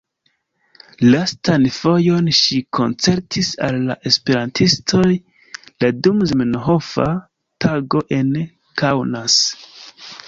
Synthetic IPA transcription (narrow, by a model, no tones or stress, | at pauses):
lastanfo̞jo̞nʃikʰo̞̰nt͡se̞ɾtisalːa̰ʔe̞spe̞ɾantʰistʰo̞j | ladumzmenɦo̞fa̰ | tʰaɡo̞ʔe̞n | kawnas